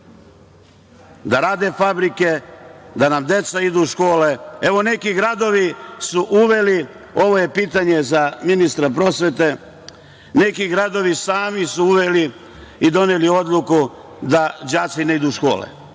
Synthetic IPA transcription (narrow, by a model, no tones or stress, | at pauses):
d̪aɾaːd̪e̞fabɾike̞d̪anamd̪e̞t̪said̪uʃko̞ːle̞e̞ʋo̞ne̞kiɡɾad̪o̞ʋisuʔuʋe̞li | o̞ʋo̞je̞piːt̪aɲe̞zaminist̪ɾapɾo̞sʋe̞t̪e̞ | ne̞kiɡɾad̪o̞ʋisaːmisuuʋeli | id̪o̞nelio̞d̪lˠuku | d̪ad͡ʒaːt̪sine̞id̪uʃko̞ːlḛ